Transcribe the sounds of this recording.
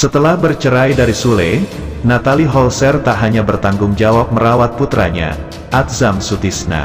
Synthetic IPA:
sət̪əlahbərt͡ʃəɾajdaɾisule | nat̪aliɦɔlsɛrt̪aʔɦaɲabərt̪aŋɡʊŋd͡ʒawap̚məɾawat̪̚put̪ɾa̰ɲa̰ | ʔat̪̚zamsut̪isna̰

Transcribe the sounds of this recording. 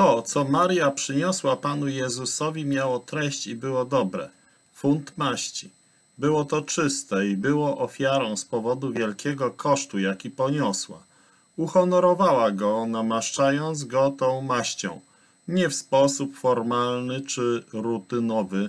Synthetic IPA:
t̪ɔt̪sɔmaɾjapʂɘɲɔswapanujɛzusɔvʲimʲjawɔt̪ɾɛɕt͡ɕibɘwɔd̪ɔbɾɛ̰ | funt̪maɕt͡ɕi̥ | bɘwɔt̪ɔt͡ʂɘst̪ɛibɘwɔʔɔfʲjaɾɔ̃w̃spɔvɔd̪uvʲjɛlkʲɛɡɔkʰɔʂt̪ujakʲipɔɲɔswa | uxɔnɔɾɔvawaɡɔnamaʂt͡ʂajɔnd̪zɡɔt̪ɔ̃w̃maɕt͡ɕɔ̰̃w̃ | ɲɛfspɔsupfɔɾmalnɘt͡ʂɘɾut̪ɘnɔvɘ

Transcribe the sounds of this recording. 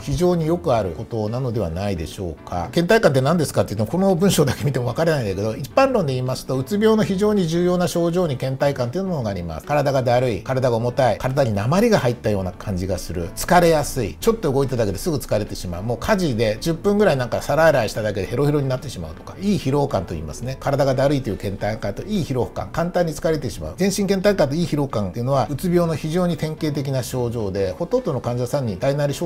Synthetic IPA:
çiʑo̞ːɲ̟ijo̞kɯ̟aɾɯ̟̰ko̞t̪o̞nano̞d̪e̞β̞a̰naid̪e̞̰ɕo̞ːkkʰa̰kẽnt̪aikãnt̪enãnd̪e̞sɨ̥kat̪eiɯ̟t̪ːemoko̞no̞bɯ̟ɰ̃ɕo̞ːd̪akemʲit̪e̞mo̞akaɾenaind̪eke̞d̪o̞ipːãnɾõ̞nd̪e̞iːmasɨ̥t̪o̞ɯ̟t͡sɨbʲoːno̞çiʑo̞ːɲ̟iʑɨːjo̞ːnaɕo̞ːʑo̞ːɲ̟ikẽ̞nt̪aikãnt̪eiɯnomonoɡaːɾʲima̰sɨ̥kaɾad̪aɡad̪aɾɯ̟ikaɾad̪aɡaomo̞t̪aikaɾad̪aɲ̟inamaɾʲiɡahait̪ːajo̞ːnakʰãɲ̟d͡ʑiɡasɨɾɯ̟̰t͡sɨ̥kaɾe̞jasɨḭt͡ɕo̞t̪ːo̞ɯɡo̞it̪et̪ad̪ake̞d̪e̞sɨɡɯ̟t͡sɨ̥kaɾe̞t̪e̞ɕima̰ɯ̟mo̞ːkʰaʑid̪e̞d͡ʑɨpːɯ̟̃ŋɡɯ̟ɾainãŋkasaɾaeɾaiɕi̥t̪ad̪ake̞d̪ehe̞ɾo̞çiɾo̞ɲinat̪ːe̞ɕima̰ɯ̟t̪o̞̥kḁiːçiɾo̞ːkãnt̪o̞ḭːma̰sɨne̞kaɾad̪aɡad̪aɾɯ̟it̪ojiɯ̟kẽ̞nt̪aŋkat̪o̞iːçiɾo̞ɸɯ̥kã̰ŋkãnt̪ãɲ̟ːit͡sɨ̥kaɾe̞t̪e̞ɕima̰ɯ̟zẽ̞ɰ̃ɕĩŋkẽ̞nt̪ãŋkait̪o̞iːçiɾo̞kãnt̪eiɯ̟no̞βaɯ̟t͡sɨbʲo̞ːno̞çiʑo̞ːɲ̟it̪ẽ̞ŋke̞ːt̪̬e̞k̬ʲinaɕo̞ːʑo̞ːd̪e̞ho̞t̪õnd̪o̞no̞kãɲ̟d͡ʑasãɲ̟ːid̪ainaɾʲiɕo

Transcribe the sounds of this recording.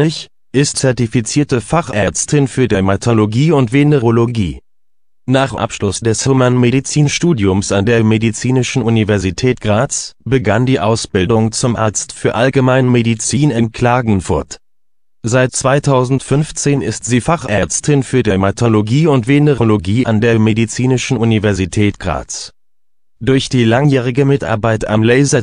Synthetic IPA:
ɪç | ʔɪstt͡sɛɐtifit͡siːɐtəfaχʔɛɐt͡stʰɪnfyːɐdematʰoloɡiːʊntv̥eneʁoloɡḭː | naːχʔa̰pʃlʊsd̥ɛshomanmedit͡siːnʃtuːdjʊmsandeːɐmedit͡siːnɪʃn̩univɛɐzitʰɛːt̚ɡ̥ʁaːt͡sb̥əɡandiːʔaʊsb̥ɪldʊŋt͡sʊmʔa̰ɐt͡stfyːɐʔalɡəmaɪnmedit͡siːnɪnkʰl̥aːɡŋ̩fʊɐt | z̥aɪt̚t͡sv̥aɪtʰaʊzn̩tfʏnft͡seːnɪ̰stz̥iːfaχʔɛɐt͡stʰɪnfyːɐdimatʰoloɡiːʊntv̥eːnəʁoloɡiːʔandeːɐmedit͡siːnɪʃn̩ʔunivɛɐzitʰɛːtɡ̥ʁa̰ːt͡s | d̥ʊɐçd̥iːlaŋjɛːʁ̞ɪɡəmɪtʔa̰ɐbaɪtʔamlɛɪzɐ

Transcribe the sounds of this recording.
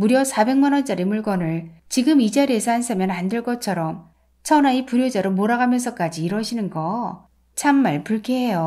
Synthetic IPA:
muɾjʌsʰabe̞ŋmanʌnd͡ʑaɾimuɭɡʌnɯɭt͡ɕiɡɯmid͡ʑaɾiesʰʌansʰɯmjʌnandeɭɡʌt͡ɕʰʌɾʌm | t͡ɕʰʌnaipuɾjod͡ʑaɾomoɾaɡamjʌns̬ʰʌk͈ad͡ʑiːɾwʌɕʰinɯnɡʌ | t͡ɕʰamːaɭpuɭkʰeɦejo

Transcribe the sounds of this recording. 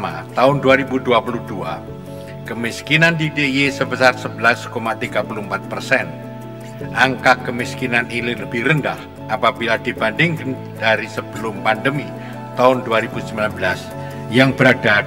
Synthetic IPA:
ma̰t̪aʊnduaɾibuduapuluhdua | kəmiskinandidejesəbəsarsəbəlaskomat̪iɡapuluəmpat̪̚pərsɛn | ʔaŋkakːəmiskinanilɪləbɪhrəndah | apabiladibandɪŋkən | d̥aɾisəb̥əlʊmpandəmi | t̪aʊnduaɾibusəmbilanbəlas | jaŋbəɾada

